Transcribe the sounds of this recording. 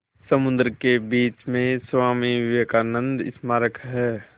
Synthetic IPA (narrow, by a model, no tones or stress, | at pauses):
səmʊ̃nd̪ɾkebiːt͡ʃmẽswaːmiʋʋekaːnə̃nd̪ɪ̰smaːɾəkɦɛː